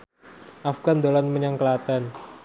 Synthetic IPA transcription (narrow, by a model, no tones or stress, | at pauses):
ʔafɡ̥and̪olanməɲaŋkəlat̪an